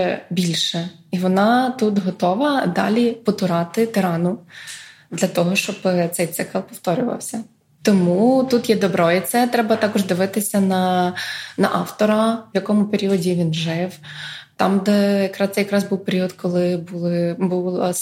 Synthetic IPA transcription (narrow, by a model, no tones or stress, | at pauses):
bʲilʲʃɛ | iʋɔnɑt̪ut̪ɦɔt̪ɔʋɐd̪ɑ̰lʲipɔt̪ʊɾɑt̪ɪt̪ɪɾɑnʊ | d̪lʲɐt̪ɔɦɔʃt͡ʃɔbt̪sɛjt̪sɪkɐlˠpɔft̪ɔɾʲʊʋɐ̰wsʲɐ | t̪ɔmut̪ut̪jɛd̪ɔbɾɔit̪sɛt̪ɾɛbɐt̪ɑkɔʒd̪ɪʋɪt̪ɪsʲɐnɐ | nɐʔɑft̪ɔɾɐjɐkɔmʊpeɾʲiɔdʲiʋʲinʒɪwt̪ɑmd̪ɛjɐkɾɑst̪sɛjɐkɾɑzbuwpeɾʲiɔd̪kɔlˠɪbʊlˠbulˠɐ